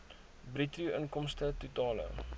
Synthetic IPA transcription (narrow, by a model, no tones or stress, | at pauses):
britruənkɔmstətutɑːlə̰